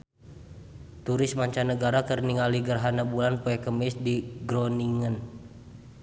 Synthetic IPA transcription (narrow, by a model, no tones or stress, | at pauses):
t̪uɾɪsmaɲt͡ʃanəɡaɾakərniŋaliɡərɦanabulanpɔɛkəmɪsdiɡɾɔniŋən